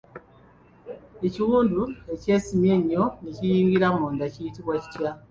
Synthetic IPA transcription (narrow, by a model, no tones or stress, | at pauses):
eciwuːndue̞ce̞ːsimje̞ɲːo̞nicijiːŋɡiɾamunoːndacijitiβwaci̥tja